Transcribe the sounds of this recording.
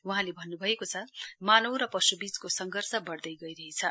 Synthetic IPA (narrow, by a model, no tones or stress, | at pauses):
wuɦãlebʱʌnːubʱʌekot͡sʰʌmanowɾʌpʌsubid͡zkosʌŋɡʱʌrsʌbʌɽd̪ʌjɡʌiɾʌɦet͡sʰʌ